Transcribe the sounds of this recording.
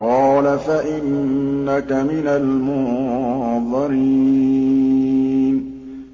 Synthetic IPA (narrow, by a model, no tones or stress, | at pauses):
qɑːlafaʔɪnːakamɪnalmʊ | ðˤɨɾi | n